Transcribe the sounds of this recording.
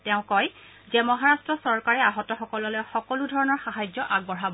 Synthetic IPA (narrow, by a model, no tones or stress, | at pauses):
tɛʊ̃kɔj | zɛmɔɦaɹastɹɔsɔɹkaɹɛaɦɔtɔxɔkɔlɔlɔjxɔkɔludʱɔɹɔnɔɹxaɦajzɔʔaɡ̚bɔɹabɔ